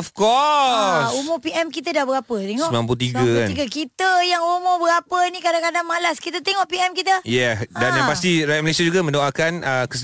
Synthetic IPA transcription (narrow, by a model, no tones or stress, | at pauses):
ɔfkɔ | sumʊpiɛmkit̪ədahbəɾapət̪eŋsɔmbilampuut̪iɡaka̰niɡakit̪əjaŋumʊbəɾapənĩkadakadaŋmalaskit̪ət̪ɛŋɔfpiɛmkit̪əjɛdanjãpast̪iɾajaməlesad͡ʒuɡamə̃ndoakanəkəs